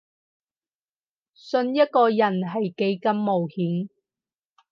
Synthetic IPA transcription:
sɵ˧njɐ˥t̚kɔː˧jɐ˨˩nɦɐ˨jke˧jkɐ˥mmo˨˩whiː˨˥ŋ

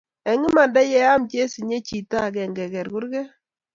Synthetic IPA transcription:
ɛ˨ŋɪ˦ma˨ndɛ˦jɛ˦a˦mt͡ʃe˦si˨ɲe˦t͡ʃi˨ta˦˨k̬ɛ˨ŋɡɛ˨kɛ˨ɾku˦ɾɡɛ˦

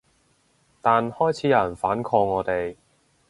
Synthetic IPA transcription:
t̪aː˨nhɔː˥jt͡sʰiː˨˥jɐ˧˨˩nfaː˨˥nkʰɔː˧ŋɔː˨˧t̪e˨j

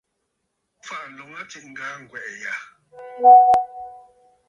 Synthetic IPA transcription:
fa˨lɔ˨ŋa˦t͡ʃi˨ŋ̩˦ɡa˦ŋ̩˨ɡwɛ˨ʔɛ˨ja˨

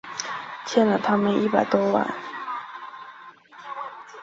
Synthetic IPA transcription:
t͡ɕʰjɛ˥nlə˨t̪ʰa˥mə˨nʔi˥˩pa˨˩ɪt̪wɔ˥wa̰˥˩n

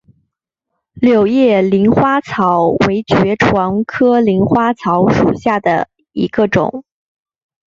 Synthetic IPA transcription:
ljo˨˩ʊjɛ˥˩li˧˥nxwa˥t͡sʰɑ˧˥ʊwe˧˥ɪt͡ɕɥɛ˧˥ʈ͡ʂʰwɑ˧˥ŋkʰɤ˥li˧˥nxwa˥t͡sʰɑ˧˥ʊʂu˨˩ɕja˥˩d̪ə̰˩ | i˧˥ɡə˧ʈ͡ʂʊ̰˨˩˦ŋ

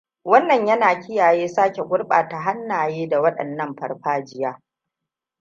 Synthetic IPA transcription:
wɐ˦nːɐ˨ɲjɐ˦naː˨kʲʼɪ˦jaː˨jeː˦saː˦kʲe˨ɡʷʊ˦rɓa̰ː˨ta˨ɦa˦nːaː˨jeː˦da˨wɐ˦ɗɐ̰˨nːɐ˦˨mɸɐ˦rɸaː˦d͡ʒɪ˦jaː˦

